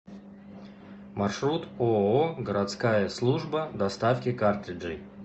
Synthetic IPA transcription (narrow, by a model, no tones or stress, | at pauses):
marʂɾut̪ooɡəɾat̪skajəslˠuʐbəd̪ɐst̪afkʲɪkart̪ʲɪd͡ʒɨ